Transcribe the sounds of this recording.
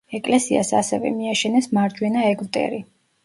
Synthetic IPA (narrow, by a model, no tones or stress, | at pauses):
ɛkʼlɛsia̰sa̰sɛvɛ̰miaʃɛnɛsmaɾd͡ʒwɛnaɛɡvt̪ʼɛ̰ɾi